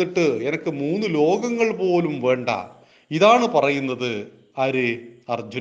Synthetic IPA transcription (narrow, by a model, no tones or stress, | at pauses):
iʈːɨenɐkːɨmuːnːɨlo̞ːɡɐŋːɐɭpo̞ːlumʋe̞ːɳɖɐ̰ | iðaːɳɨpɐrɐjunːɐðɨ | ɐɾɨɐrd͡ʑu